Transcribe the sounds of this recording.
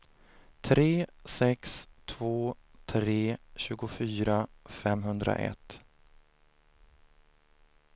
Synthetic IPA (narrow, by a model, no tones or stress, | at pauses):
t̪ʰɾeːsɛkst̪ʰvoːt̪ʰɾeːɕʉ̟ːɡʊfyːɾafɛmɦɵnd̪ɾa̰ʔɛ̰t̪